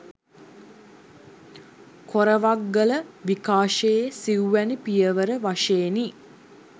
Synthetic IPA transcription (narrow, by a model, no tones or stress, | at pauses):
kʰoɾəʋaɡːələʋikaːʂejesiuʋænipijəʋəɾəʋaʂeːni